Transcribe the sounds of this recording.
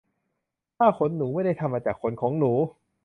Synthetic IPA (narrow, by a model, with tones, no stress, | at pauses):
t̪ʰaː˥˩kʰo˧˦˥nːuː˩˦ma˥˩jda˥˩jt̪ʰa˧mːaː˧t͡ɕaː˨˩kʰːo˨˦nkʰɔː˩˦ŋnuː˩˦